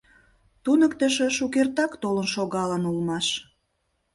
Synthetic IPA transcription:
t̪unəkt̪ə̆ʃĕʃuk̬ert̪ɑkt̪olənʃoɣɑlənulmɑʃ

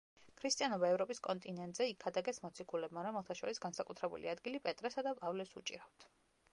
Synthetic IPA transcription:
kʰɾist̪ʼijanɔbaɛvɾɔpʼiskʼɔnt̪ʼinɛnt̪ʼzɛikʰːad̪aɡɛsmɔt̪sʰikʰulɛbmaɾamɛlˠt̪ʰaʃɔ̰ɾisɡansakʼut̪ʰɾɛbṵlḭad̪ɡilipʼɛt̪ʼɾɛsad̪apʼavlɛsṵt͡ʃʼḭɾaft̪ʰ

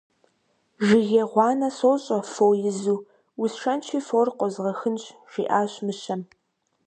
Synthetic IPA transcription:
ʒɪɣeʁʷɑːnɐsoːɕʼɐfowjɪzuː | wʊsʂɐnt͡ʃʰiːforqʷɔzʁɐxɨnɕʼʒ̥ḭːʔaːɕmɨɕɐm

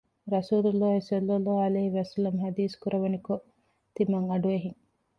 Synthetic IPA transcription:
ɾɐsuːlulːaːɦisɐlːɐlːaːɐleːɦiʋɐsɐlːɐmɦæd̪iːskuɾʔɐʋɐniko | t̪imɐŋɐɖueɦiŋ

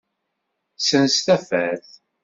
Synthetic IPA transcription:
sənst̪æfæθ

